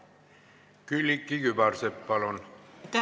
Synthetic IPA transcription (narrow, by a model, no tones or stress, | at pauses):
kylikːiɡybɑrsepːɑlont̪